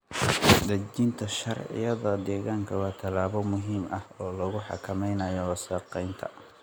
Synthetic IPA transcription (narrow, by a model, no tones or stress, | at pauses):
d̪ɐd͡ʒɪnt̪ʰɐʃɐrʕɪ̰jɐðɔːd̪ɛːɣaːŋkʰɐwɑːt̪ʰɐlaːβɔmʊɦiːmɐhɔːlɐɣʊħɑ̰kʰɐmɛjnɐjɔwɐsɛːqɛjnt̪ʰɐ̰